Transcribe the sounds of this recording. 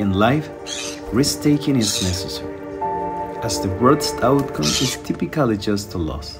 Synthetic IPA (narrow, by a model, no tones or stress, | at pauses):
ɪ̃nlaɪf | ɹɪsk̚tʰeɪkɪ̃ŋɪsnɛsɨsəɹi | ɨzðəwɜ˞dstaʊt̚kʰʌ̃mɪztʰɪpɨkəlˠid͡ʒʌstʰəlɔ̰s